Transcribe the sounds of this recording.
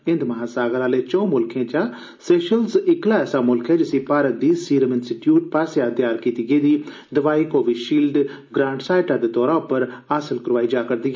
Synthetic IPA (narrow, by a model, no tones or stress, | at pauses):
ɪ̃nd̪məɦãːsaːɡəlaːleːt͡ʃɔ̃ːmʊlkʰẽːd͡ʒãː | sɛːʃəlzɪklaːɛːsaːmʊlkɦɛːd͡ʒɪsĩːpaːɾət̪̚d̪iːsiːɾəmɪnsɪʈjuːʈ̚paːseãːd̪jaːɾkiːt̪iɡeːd̪iː | d̪əʋaːiːkoːʋiʃiːld̪ | ɡɾãːɳɖsaːɪʈãːd̪eːt̪ɔːɾãːpəɾaːsəlkəɾʋaːiːd͡ʒaːkəɾd̪iːɡɛː